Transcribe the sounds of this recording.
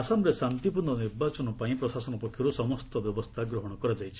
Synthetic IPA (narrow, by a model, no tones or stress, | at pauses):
asamɾesant̪ipundɔniɾbat͡ʃɔnɔpaĩpɾɔsasɔnɔpɔkʰːjɔɾusɔmɔst̪ɔbjɔbɔst̪ʰaɡɾɔɦɔɽ̃ɔkɔɾad͡ʒajt͡ʃʰi̥